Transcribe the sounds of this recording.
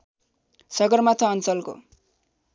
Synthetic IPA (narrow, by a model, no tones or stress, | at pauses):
sʌɡʌrmat̪ʰʌːnt͡sʌlko̰